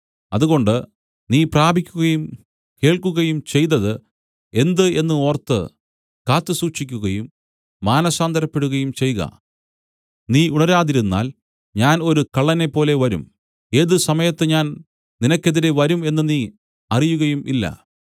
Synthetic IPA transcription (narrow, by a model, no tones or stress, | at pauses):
ɐðuɣo̞ɳɖɨ | niːpraːbʱikʲːuɣɐjum | ke̞ːɭkuɣɐjumt͡ɕe̞jt̪ːɐðɨ | e̞nd̪ɨe̞nːɨo̞ːrt̪ːɨ̰ | kaːt̪ːɨsuːʂikʲːuɣɐjumː | aːnɐsaːnd̪ʱɐɾɐpːe̞ɽuɣɐjumt͡ɕe̞jɣɐ̰ | niːuɳɐɾaːðiɾunːa̰ːl | ɲaːno̞ɾukɐɭːɐne̞pːo̞ːle̞ʋɐɾṵm | e̞ːðɨsɐmɐjɐt̪ːeɲaːn | ninɐkʲːe̞ðiɾe̞ʋɐɾume̞nːɨniː | ɐrijuɣɐjumʔilːɐ̰